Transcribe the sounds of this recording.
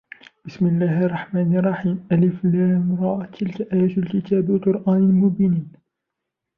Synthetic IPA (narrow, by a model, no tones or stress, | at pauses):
b̥ɪsmɪlːaːhɑrˤːɑħmaːnɑrˤːɑħiːmʔalɪflamɾɑʕat̪ʰːɪlkaʔæːjaːt̪lkɪt̪aːbwalqʊɾʔaːnɪlmʊbiniːn